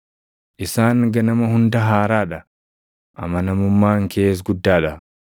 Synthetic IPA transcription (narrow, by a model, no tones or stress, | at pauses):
ʔɪsaːŋɡɐnɐmɐhʊnd̪ɐɦaːɾaːᶑɐ | ʔɐ̰mɐnɐmʊmːaːŋkʰeːs̬ɡʊd̪ːaːᶑɐ